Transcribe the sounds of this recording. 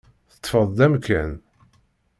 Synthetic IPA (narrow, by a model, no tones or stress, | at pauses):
θə̥t̪ˤːfəðˤd̪æmkæn